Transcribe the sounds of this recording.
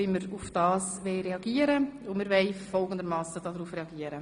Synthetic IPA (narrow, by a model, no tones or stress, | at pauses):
ɪməɾʊfd̥ɑːsʋɛɪɾeɑɡiːəɾəʊnmɪɾʋɛɪfɔlˠɡəndəɾmɑːsədɑːdɾuːfreɑɡiːəɾə